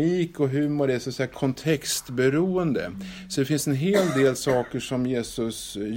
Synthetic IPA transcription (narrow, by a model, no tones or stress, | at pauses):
iːkɔɦɵmoːd̪ɛsɔat̪sɛjakʰɔnt̪ʰɛkst̪bɛɾuːənd̪ə̰ | sɔd̪ɛfɪnsɛnɦeːld̪eːlsɑːkəʂɔmjeːsɵs